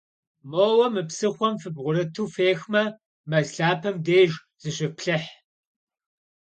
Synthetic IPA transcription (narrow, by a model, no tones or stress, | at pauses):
moːwɐmɨpsɨχʷɔmfɨbʁʷʊɾɐtʰuːfeːxmɐ | mɐɮɮaːpʰɐmdeːʒ | z̥ɨɕʷɪpɬɨħ